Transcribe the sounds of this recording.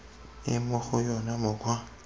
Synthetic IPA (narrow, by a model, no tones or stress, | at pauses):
ɪmʊxʊjɔnamʊkwa